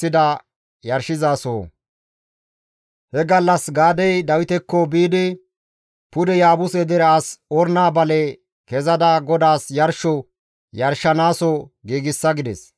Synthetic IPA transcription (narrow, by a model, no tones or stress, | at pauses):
ɪd̪ɐ | jɐɾʃɪzaːsoː | hɛɡɐlːɐsɡaːd̪ɛjd̪ɐwɪt̪ɛkːɔbiːd̪ɪ | pʊd̪ɛjaːbʊsɛd̪ɛɾɛasɔɾnaːbɐlɛ | kɛzɐd̪ɐɡɔd̪aːsjɐɾʃɔ | jɐɾʃɐnaːsɔɡiːɡɪsːɐɡɪd̪ɛ̰s